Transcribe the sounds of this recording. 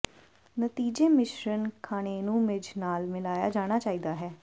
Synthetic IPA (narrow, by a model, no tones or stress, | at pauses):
nət̪iːd͡ʒeːmɪʃɾənkʰaːɽ̃eːnũːmɪd͡ʒnaːlmɪlaːja̰ːd͡ʒaːɽ̃aːt͡ʃaːiːd̪aːɦɛː